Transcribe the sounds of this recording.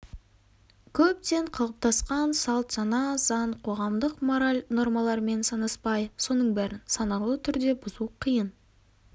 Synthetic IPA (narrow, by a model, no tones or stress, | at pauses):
kʲʰɵp̚t̪e̞ɴqʰəlˠəp̚t̪ʰɑsqɑnsɑlˠt̪ʒɑnɑzɑɴqʰo̞ʁɑmd̪əqmo̞ɾalʲno̞ɾmɑlˠɑɾme̞nsɑnəspɑjso̞nəɴbæɾɪnsɑnɑlˠət̪ʰʏɾd̪e̞bʊzuqʰəjən